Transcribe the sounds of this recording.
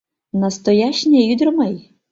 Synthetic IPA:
nɐst̪ɔjat͡ʃnʲɛjud̪ɾɔmɛj

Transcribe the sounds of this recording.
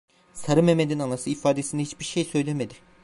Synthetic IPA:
saɾɯme̞med̪inanˠasɯifaːd̪esind̪ɛɦit͡ʃbiɾʃejsø̞jlʲemed̪i

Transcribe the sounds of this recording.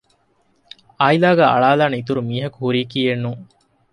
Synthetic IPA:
aːjilaːɡæːʔɐ̰ɭaːlaːneit̪uɾumiːɦɐkuhuɾiːkienːu

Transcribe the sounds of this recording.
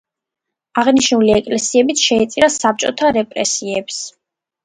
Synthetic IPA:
aʁniʃnuliɛkʼlɛsiɛbit̪ʰʃɛit̪sʼiɾasap̚t͡ʃʼɔt̪ʰaɾɛpʼɾɛ̰siɛps

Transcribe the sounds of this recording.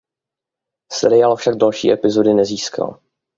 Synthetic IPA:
sɛ̰ɾɪaːlfʃaɡ̚dalʃḭːʔɛpɪzo̞dɪnɛziːskʰa̰l

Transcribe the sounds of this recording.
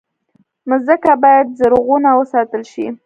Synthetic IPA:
məzəkabɑjad̪̚zəɾoɣunawəsɑt̪əlʃḭ

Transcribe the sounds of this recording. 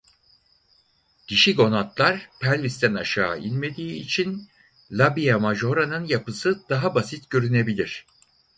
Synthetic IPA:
ɟiʃiɡo̞nat̪lˠaɾ̥pʰælʲvist̪ʰænaʃaːilʲme̞d̪iːt͡ʃʰin | lʲˠabijamaʒo̞ɾanɯnjapɯsɯd̪̥aɦabasit̪ɟø̞ɾyne̞bilʲiɾ̥

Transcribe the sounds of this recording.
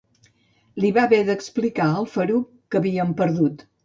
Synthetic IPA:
liβaβɛðəksplikaəlˠfəɾu | kəβiəmpəɾðut̪

